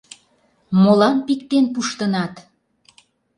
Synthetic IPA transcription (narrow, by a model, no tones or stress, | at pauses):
molɑnpikt̪enpuʃt̪ənɑt̪